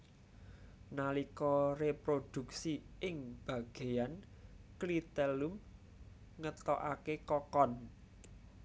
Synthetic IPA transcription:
nalikɔrepɾod̪̥ṳk̚siɪŋb̥ä̤ɡ̥e̤jan | klit̪ɛlum | ŋət̪ɔʔakekɔkɔn

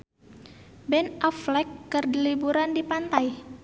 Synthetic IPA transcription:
bɛnɔflɛkːərdilibuɾandipant̪aj

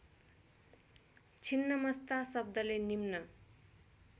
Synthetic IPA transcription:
t͡sʰinːʌmʌst̪asʌb̚d̪ʌlenimnʌ

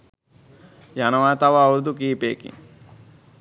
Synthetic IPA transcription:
janɐʋaːt̪aʋauɾd̪ukiːpeːkḭ

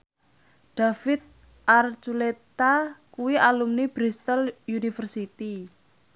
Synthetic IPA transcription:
ɖ̥a̤fɪt̪̚ | ʔart͡ʃulet̪akuwialumnib̥ɾist̪əljunifərsit̪i

